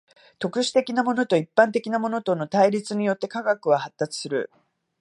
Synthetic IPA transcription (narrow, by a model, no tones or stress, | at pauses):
t̪o̞kɯ̟ɕi̥t̪e̞kʲinamo̞no̞t̪o̞ipːãnt̪e̞kʲinamo̞no̞t̪o̞no̞t̪aiɾʲit͡sɨɲ̟ijo̞t̪ːe̞kaɡakɯ̟βahat̪ːat͡sɨ̥sɨɾɯ̟̰